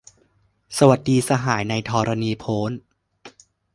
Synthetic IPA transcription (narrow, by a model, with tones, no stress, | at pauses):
sa˧wa˨˩˦t̪̚diː˧sa˧ɦaː˩˦jna˧jt̪ʰɔː˧ɾa˧niː˧pʰoː˦˥n